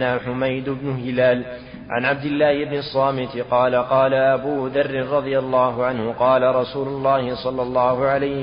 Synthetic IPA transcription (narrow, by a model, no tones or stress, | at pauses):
naːħʊmajd̪ʊbnʊhɪlaːl | ʕa̰nʕab̚d̪ɪlːaːhɪbnɑsˤːɑːmɪt̪ɪqɑːlaqɑːlaʔabuːðɑrːɪnɾˤɑðˤɪjalːɑːɦʊʕanhʊqɑːlaɾˤɑsuːlʊlˤːɑːhɪsˤɑlːɑlˤːɑːhʊʕalaj